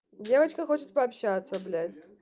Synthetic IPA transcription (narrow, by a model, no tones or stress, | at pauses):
dʲe̞vət͡ɕkəxo̞t͡ɕɪt̪̚pɐːpɕat̪səblʲætʲ